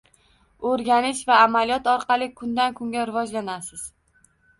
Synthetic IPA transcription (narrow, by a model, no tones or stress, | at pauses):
ɵɾɡʲanɪʃvaːmalijɒt̪ɒɾqʰɑlˠɪkʰʊnd̪ankʰʊŋɡʲaɾɪvɒd͡ʒlanasɪz̥